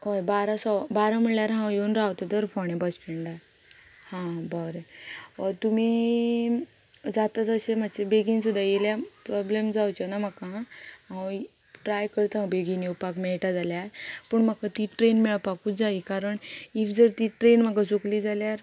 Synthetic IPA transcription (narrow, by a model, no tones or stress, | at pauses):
ɦojbaɾãsɔbaɾãmiɭljaɾɦãwjonɾaʋt̪at̪əɾfɔɳ̃ẽbəspeɳɖa | hãbɔɾeət̪umiː | d͡zat̪at͡səɕem̤at͡ɕebeɡinsud̪ʱajeljapɾɔblemd͡zawt͡ɕanam̤akaɦaɦãw | ʈɾajkəɾt̪əɦãbeɡinjepakmɛɭʈad͡zaljapuɳm̤əkat̪iʈɾenmɛɭpakuːd͡zaikaɾəɳifd͡zəɾt̪iʈɾenm̤akasuklid͡zaljaɾ